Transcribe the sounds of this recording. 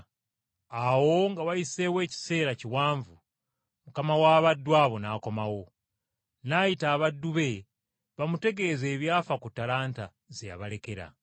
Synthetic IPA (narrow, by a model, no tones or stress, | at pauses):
awo̞ŋɡawajise̞we̞ːci̥se̞ːɾaciwaːɱvu | mukamawaːβadːwaːβo̞naːko̞mawo̞ | naːjitaːβadːuβe̞ | βamute̞ɡe̞ze̞ːβjaːfakutːalaːnta | zeja̰βale̞ke̞ɾa̰